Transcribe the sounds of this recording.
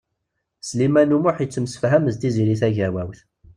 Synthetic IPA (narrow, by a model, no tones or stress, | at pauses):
slimænumʊħjət͡sːəmsə̥fɦæməzt̪iziɾiθæʝæwæwθ